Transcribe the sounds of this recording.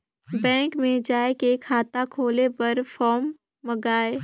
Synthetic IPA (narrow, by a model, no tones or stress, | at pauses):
bɛ̃ːŋkmẽd͡ʒaːekekʰaːt̪akʰoːlepɐɾfɔːmː | ɐɡaːe